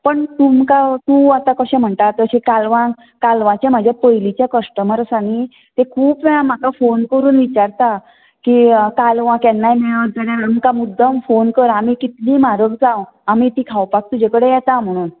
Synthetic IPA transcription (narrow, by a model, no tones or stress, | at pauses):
pəɳt̪umkat̪ũat̪ãkəɕɛ̃m̤əɳʈ̪at̪əɕekalʋã | kalʋãt͡ɕem̤ad͡ʑʱjapəjlit͡ɕjakəʂʈəməɾəsani | t̪ekʰuːpam̤akafonkəɾuːnʋit͡ɕaɾt̪a | kikalʋãkɛnːajmeɭət̪d͡zəɽeumkamud̪ʱːəmfonkəɾamikit̪liːmaɾəkd͡zãw | amit̪iːkʰawpak̚t̪ud͡ʑekəɽejɛt̪am̤əɽ̃uːn